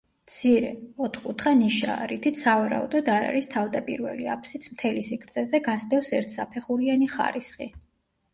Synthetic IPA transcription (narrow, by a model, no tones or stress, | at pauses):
t̪sʰiɾɛɔt̪ʰχkʼut̪ʰχaniʃa̰ːɾit̪ʰit̪savaɾa̰ṵd̪ɔd̪aɾa̰ɾist̪ʰavd̪apʼḭɾvɛ̰lia̰pʰsit̪sʰmt̪ʰɛlisikʰɾt̪sʼɛzɛɡast̪ʼɛfsɛɾt̪ʰsapʰɛχuɾianiχa̰ɾisχḭ